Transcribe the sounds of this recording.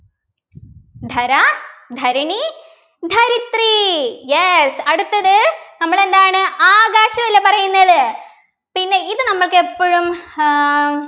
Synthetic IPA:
d̪ʱɐɾɐd̪ʱɐɾɐɳi | d̪ʱɐɾit̪rijesɐɽut̪ːɐðɨnɐmːɐɭe̞nd̪aːɳɨaːɣaːɕɐʋɐlːepɐrɐjunːɐðɨ | pinːe̞iðɨnɐmːɐɭkepːoɻum

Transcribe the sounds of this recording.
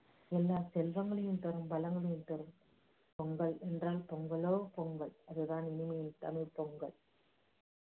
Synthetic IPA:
ɛlːaːsɛlʋɐŋɡɐɭɐjɯmt̪ɐɾɯmbɐlɐŋɡɐɭɪjɯnt̪ɐɾɯm | pɔŋɡɐɭɛndraːlpɔŋɡɐɭoːpɔŋɡɐɭɐðɯðaːnɪnɪmɐjɪnt̪ɐnɯpɔŋɡɐɭ

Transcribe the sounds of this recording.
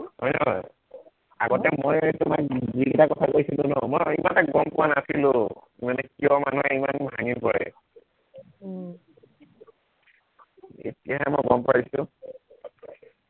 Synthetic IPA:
hɔjnɔ | a̰ɡɔtɛmojtʊmak̚ziɡitakɔtʰakojsilʊ̃nɔmɔimantak̚ɡɔmpʊanasilʊ | manɛkiɔmanuɛimanbʱaŋipɔɹɛ̰ | ḛtijaɦɛmɔjɡɔmpʊwaɹisʊ̃

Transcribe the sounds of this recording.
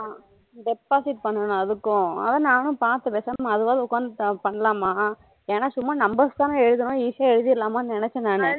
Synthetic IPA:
ɖɛpːaːsɪʈ̚pɐɳːɐnʊ̃ɐðɯkːʊ̃ɐ̰ðɐ̃naːnʊ̃paːɾt̪ːɐpeːsɐmaɐðɯʋaːðʊkːaːnd̪ɯpɐɳːɐlaːmaː | eːnaːsʊmːanɐmbɐst̪aːnɐ̃ɛɻɯðɯnʊ̃iːsjaɛɻɯðiɪlːaːmaːnnɪnɛt͡ʃːɐ̃naːnɯ

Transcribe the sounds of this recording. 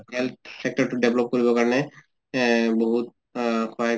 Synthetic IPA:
hɛlt̪̚sɛk̚ʈɔɹʈuɖeblɔp̚koɹibɔkaɹɔnɛ | boɦut̪̚ | kʰaa

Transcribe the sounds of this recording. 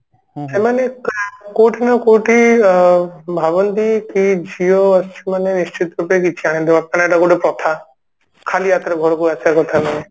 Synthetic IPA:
semanekkoʈʰinɔkoʈi | bʱabɔnt̪ikid͡ʒʱioast͡ʃʰimanenist͡ʃit̪ɾupek̬it͡ʃʰiaɽ̃ẽnd̪umap̚nanaeʈakoʈepɾɔt̪ʰa | kʰaliat̪ɾeɡʱɔɾokuat͡ʃʰaɾkɔt̪ʰamane

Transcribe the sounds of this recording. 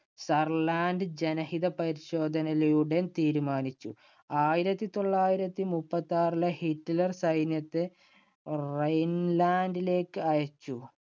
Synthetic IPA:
sɐrlaːnɖɨd͡ʑenɐhid̪ɐpɐɾiɕo̞ːd̪ʱɐnɐlɐjuɽent̪iːɾumaːnit͡ɕːu | aːjiɾɐt̪ːit̪o̞ɭːaːjiɾɐt̪ːimupːɐt̪ːaːrilɐhiʈːɐlɐrsɐjnjɐt̪ːe | rejnlaːndile̞ːkːɨɐjɐt͡ɕːu

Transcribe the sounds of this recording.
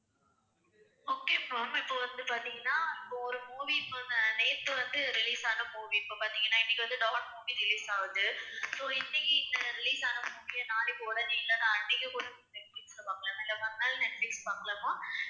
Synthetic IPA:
oːkːepːoːmɪpːoʋɐnd̪ɯpaːɾt̪iŋɡɐnːaːɪpːoɔɾɯmuːʋiːpːoneːɾt̪ɯʋɐnd̪ɯɾɪliːsaːnɐmuːʋiːpːoːpaːɾt̪iŋɡɐnːaːɪnːɪkʲːɪʋɐnd̪ɯɖɐʋɐnmuːʋiɾɪliːsaːʋɯðɯsoːɪnːɪkːɪɪnd̪ɐɾɪliːsaːnɐmuːʋijɐnaːlɪpːoɔɽɐnɪɪlːɐnaɐɳːɪkːɐkʊɽɐmnɛʈflɪkslɐpaːkɐɭɐːmaːɪlːɐpɐnd̪aːlɐnɛʈfikspaːkɐɭɐmaː

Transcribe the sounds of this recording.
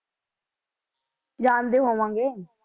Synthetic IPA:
d͡ʒaːnd̪eːɦoːʋãːŋɡeː

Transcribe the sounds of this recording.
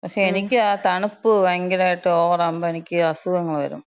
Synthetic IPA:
pɐkʂe̞ːnikʲːɨaːt̪ɐɳupːɨʋɐŋɡilaːjiʈːɨoːrɐmbɐenikʲːɨɐsuɣɐŋːɐɭʋɐ̰ɾṵm

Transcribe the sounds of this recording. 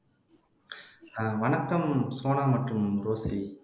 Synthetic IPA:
naːʋɐɳɐkːɐmsoːnaːmɐʈrɯmɾoːsi

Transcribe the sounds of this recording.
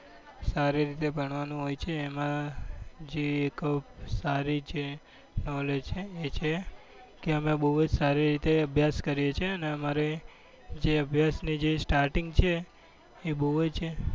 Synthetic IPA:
saɾiɾit̪ebʱəɳ̃ʋanũɦojt͡ʃʰeːmã | d͡ʒeːkəpsaɾid͡ʒe | nɔled͡ʒt͡ʃʰeːt͡ʃʰe | keəmebəɦud͡ʒsaɾiɾit̪eəbʱjaskəɾjet͡ʃʰeəneəmaɾe | d͡ʒeəbʱjasnid͡ʒesʈaɾʈiŋɡt͡ʃʰeː | bəɦt͡ʃʰe

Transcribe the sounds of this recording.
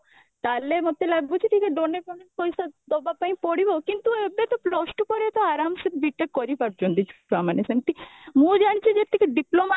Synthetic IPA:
t̪alemot̪elabbut͡ʃʰit̪ʰikeɖonekɔneɾkɔjsad̪obapaĩpɔɽibokint̪uebet̪ɔpɾɔsʈpɔɾet̪ɔaɾamset̪biʈːekːɔɾipaɾd͡ʒɔnd̪it͡ʃʰu̥pɾamanesamʈ̪imũd͡ʒaɽ̃it͡ʃʰid͡ʒet̪ʰːikeɖiploma

